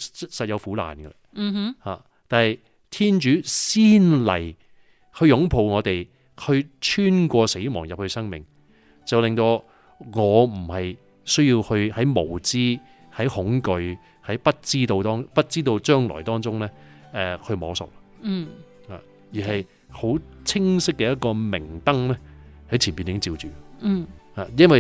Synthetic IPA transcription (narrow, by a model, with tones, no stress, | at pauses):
ssɐ˨t̚jɐ˨˧wfuː˨˥la̰ː˨nɡɛ̰˧˨ | haː˨ | t̪aː˨nhɐ˨˧j | t̪ʰiː˥nt͡ʃyː˨˥siː˥nlɐ̰˨˩j | hʰɵ˧ɥjʊ˨˥ŋpʰo˨wŋɔː˨˧t̪e˨j | hʰɵ˨˧ɥt͡ʃʰyː˥nkʷɔː˧se˨˥jmɔː˨˩ŋjɐ˨p̚hɵ˧ɥsɐ˥ŋmɪ˨ŋ | t͡sɐ˨wlɪ˨ŋt̪o˧ | ŋɔː˨˧m̩˨˩hɐ˨j | sɵ˥ɥjiː˧whɵ˧ɥhɐ˨˥jmo˨˩wt͡siː˥ | hɐ˨˥jhʊ˨˥ŋkɵ˨˧ɥ | hɐ˨˥jpɐ˥t̚t͡siː˥t̪o˧wt̪ɔː˥ŋpɐ˥t̚t͡siː˥t̪o˧wt͡ʃœː˥ŋlɔ̰ː˨˩jt̪ɔː˥ŋt͡sʊ˥ŋlɛː˥ʔɛ˧hʰɵ˧ɥmɔː˨˥sʊ̰˨k̚a˧˥˩ | haː˨ | jiː˨˩ɦɐ˨j | ho˨˥wt͡sʰɪ˥ŋsɪ˥k̚ːɛː˧jɐ˥t̚kɔː˧mɪ˨˩ŋt̪ɐ˥ŋlɛ˥hɐ˨˥jt͡sʰiː˨˩npiː˨nt̪ɪ˨˥ŋt͡siː˧wt͡ʃyː˨˥˨ | haː˨˩jɐ˥nwɐ˨j